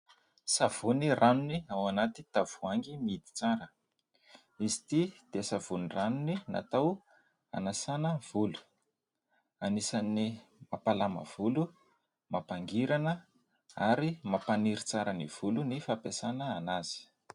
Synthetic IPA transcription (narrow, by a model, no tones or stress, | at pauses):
sav̥unirʔanuniawanat̪it̪av̥uaŋɡimid̪i̥t͡saɾə | izi̥t̪id̪̥esav̥uniranunina̰t̪aw | a̰nasanəv̥ulu̥ | anisanimapalamə̰v̥ulu | mapaŋɡiɾanə | aɾimapaniɾit͡saɾəniv̥ulunifapasanəanaz̥i̥